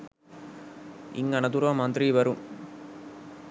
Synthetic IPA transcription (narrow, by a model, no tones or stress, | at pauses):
ḭŋɡɐnɐd̪uɾamɐnt̪ɾiʋɐɾum